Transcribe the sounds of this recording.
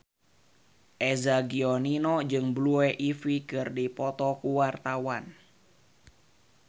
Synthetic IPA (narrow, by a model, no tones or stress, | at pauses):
ʔɛzaɡiɔninɔd͡ʒɨŋbluɛʔifikɨrdipɔt̪ɔkuwart̪awan